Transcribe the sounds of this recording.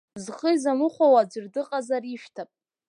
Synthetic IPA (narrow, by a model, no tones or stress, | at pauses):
zχəizamɨχʷawad͡ʒʷɨrdɨqʼazariʃᶣtʰapʼ